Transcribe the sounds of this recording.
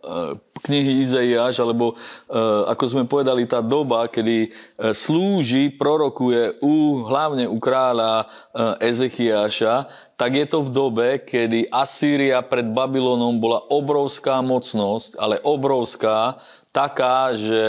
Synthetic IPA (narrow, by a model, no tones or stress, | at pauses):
kɲiɦiizaiaːʒalɛbɔ | a̰kɔzmɛpɔʋɛd̪alit̪aːd̪ɔbakɛd̪isluːʒipɾɔɾɔkujɛuɦlaʊɲɛukɾaːʎa | ʔɛzɛxiaːʃa | t̪aɡjɛt̪ɔvd̪ɔbɛkɛd̪iʔasiːɾiapɾɛd̪babilɔnɔmbɔlaʔɔbɾɔʊskaːmɔt͡snɔsca̰lɛʔɔbɾɔʊskaː | t̪akaːʒɛ